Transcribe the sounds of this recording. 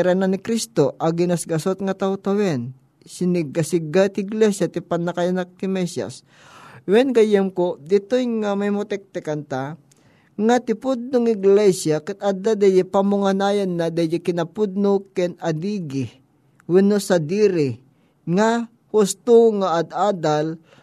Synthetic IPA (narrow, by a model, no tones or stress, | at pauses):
ɾananɪkɾist̪oʔɐɡɪnasɡɐsot̪̚ŋɐt̪awt̪awɛn | sɪnɪɡasɪɡat̪ɪɪɡlɛsjat̪ɪpanːakajanak̚t̪ɪmɛsja̰s | wɛnɡɐjɛmkod̪ɪt̪ojŋamajmot̪ɛk̚t̪ɛkɐnt̪a | ŋat̪ɪpʊd̪̚nʊŋɪɡlɛsjakɐt̪̚ad̪ad̪ajɛpamʊŋanajanːad̪ajɪkɪnɐpʊd̪̚nokɛnɐd̪iːɡɪ | wɪnosad̪iːɾɪ | ŋa | hʊst̪oŋaʔad̪ʔaːd̪al